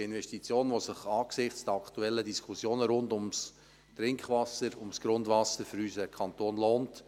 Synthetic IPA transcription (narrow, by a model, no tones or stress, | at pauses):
ɪnʋɛʃtit͡sjoːnʋosɪχɑːksɪχt͡sd̥əɑktuɛlːədiskʰχusjoːnəɾʊndʊms | tɾɪŋkχʋɑsəɾʊmsɡ̥ɾʊndvɑsəɾføɾyːsəkʰɑntoːnloːnt